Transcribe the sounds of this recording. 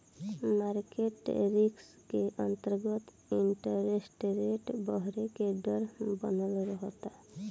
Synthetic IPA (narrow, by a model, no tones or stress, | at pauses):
maɾkeʈɾiks | keʔənt̪əɾɡət̪ | iɳʈəɾesʈɾeʈbəɦɾekeɖəɾbənəlɾəɦt̪a